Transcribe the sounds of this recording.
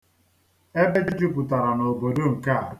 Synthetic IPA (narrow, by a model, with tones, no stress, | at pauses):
e˦be˦d͡ʒɪ˦d͡ʒɪ˦pʊ˨ta˨ɾa˨no˨bo˨do˦ŋ̩˨ka˦˨